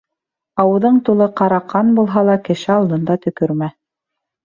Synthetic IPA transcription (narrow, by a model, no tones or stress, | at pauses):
ɑwɤ̆ðɤɴt̪ulˠɤqɑɾɑqːɑnbulˠɦɑlˠɑkɘ̆ʃɘɑlˠd̪ɤ̆nd̪ɑt̪ɵ̆kɵɾmæ